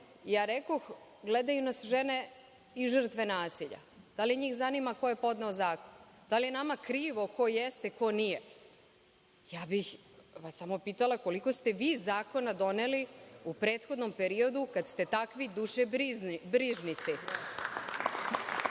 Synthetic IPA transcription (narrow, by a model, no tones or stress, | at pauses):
jaːɾeko̞x | ɡled̪ajunasʒene̞ | iʒr̩t̪ʋe̞naːsiʎa̰d̪̥aliɲiːxzanimako̞je̞po̞d̪naozaːkon | d̪̥alijenamakɾiːʋo̞ko̞jest̪eko̞nije̞ | jaːbix | ʋasamo̞piːt̪alˠako̞liko̞st̪e̞ʋiːzaːko̞nad̪o̞neliupɾe̞ːt̪xo̞d̪no̞mpe̞ɾio̞d̪ukad̪st̪e̞t̪akʋid̪uʃebɾiːʒnit̪si